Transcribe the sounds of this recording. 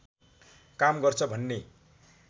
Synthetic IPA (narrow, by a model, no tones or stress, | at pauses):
kamɡʌrt͡sʰʌbʱʌnːe